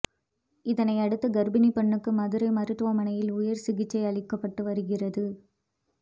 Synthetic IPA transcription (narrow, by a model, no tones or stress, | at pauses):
ɪðɐnɐɪɐɽɯt̪ːɐɡɐɾbɪnipɐɳːɯkːɯmɐðɯɾɐɪmɐɾɯʈ̪ːʋɐmɐnɐjɪlʊjɐɾsɪɣɪt͡ʃːɐɪɐɭɪkːɐpːɐʈːɯʋɐɾɯɣɪrɐðɯ